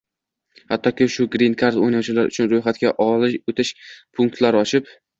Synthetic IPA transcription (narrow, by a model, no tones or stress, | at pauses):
hat̪ʰːɒkʲɪʃʊɡɾinkʰaɾd̪o̰jnawt͡ʃʰɪlaɾʔʊ̰t͡ʃʰʊnɾojχat̪̚kʲaʔɒlɪʃot̪ʰɪʃpʰʊŋk̚t̪laɾɒt͡ʃʰɪp